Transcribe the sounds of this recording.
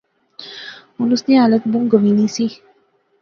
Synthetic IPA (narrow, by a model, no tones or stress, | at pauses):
ʊnusnĩɦaːlət̪bũŋɡəʋiːniːsi